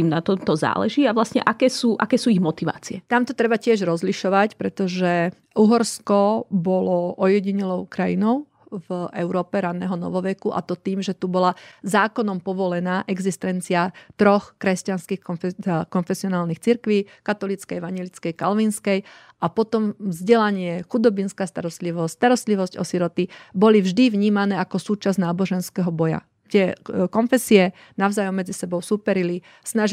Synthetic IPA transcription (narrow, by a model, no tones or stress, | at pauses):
iːmnat̪ɔmt̪ɔza̰ːlɛ̰ʒiːaʋlasɲɛ̰ʔakɛːsuːʔakɛːsuːiɣmɔt̪iʋa̰ːt͡siɛt̪amt̪ɔt̪ɾɛbacɪɛʒɾɔzliʃɔʋacpɾɛt̪ɔʒɛ | ʔuɦɔɾskɔbɔlɔʔɔjɛɟiɲɛlɔʊkɾajinɔʊ | vʔɛʊɾɔːpɛɾanɛːɦɔnɔ̰ʋɔʋɛkuʔa̰t̪ɔt̪iːmʒɛt̪ubɔlazaːkɔnɔmpɔʋɔlɛnaːʔɛɡzist̪ɛnt͡siat̪ɾɔxkɾɛscanskixkɔnfɛsiɔnaːlnixt͡siɾkʋiːkat̪ɔlit͡skɛjɛʋaɲjɛlit͡skɛjkalʋinskɛj | ʔapɔt̪ɔmvzɟɛlaɲɪɛxud̪ɔbinskast̪a̰ɾɔst̪liʋɔsst̪aɾɔst̪liʋɔscɔ̰siɾɔt̪ibɔlivʒd̪iʋɲiːmanɛːakɔsuːt͡ʃaznaːbɔʒɛnskɛɦɔbɔja̰ | t̪ɪɛkɔnfɛsiɛ | naʊzajɔmːɛd͡zisɛbɔʊsuːpɛɾili | snaʒ